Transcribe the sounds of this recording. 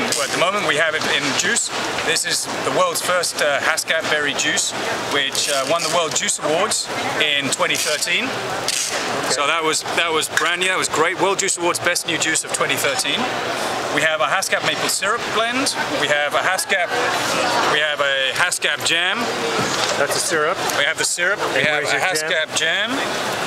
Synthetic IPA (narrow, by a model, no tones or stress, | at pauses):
wət̪̚ðəmõʊ̃mə̃nʔwiəvɪɪ̃nd͡ʒʉˑsðɪsɪz | ðəwɜ˞lˠdz̥fɜˑ˞stʌhaskæp̚b̥ɛɹid͡ʒʉˑs | wɪt͡ʃʌwʌ̃nðəwɜ˞lˠd̚d͡ʒʉˑsəwɔːdz̥ɪ̃ntʰw̥ɛ̃ɾ̃tiθɜˑ˞tʰĩn | soʊðət̚wʌzðət̚wʌzbɹãndĩðət̚wʌzɡɹeɪt̚wɜ˞lˠd̚d͡ʒʉˑsəwɔːdzbɛsnjʉd͡ʒʉˑsəv̥tʰw̥ɛ̃ɾ̃iθɜˑ˞tʰĩnwiɨvəɦaskæp̚meɪpəl̩ˠsɪɹəp̚b̥lɛ̃ndwiəvəɦaskæp̚ | wiəvəhaskæp̚d͡ʒæ̃m | ðætsəsɪɹəpwiɨvðəsɪɹəpwiəvəhaskkæp̚d͡ʒæ̃m